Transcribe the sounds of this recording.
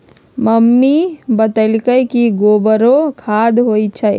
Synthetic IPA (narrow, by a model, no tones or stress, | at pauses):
məmːibət̪əlkəkiɡobəɾokʰaːd̪ɦoːit͡ʃʰə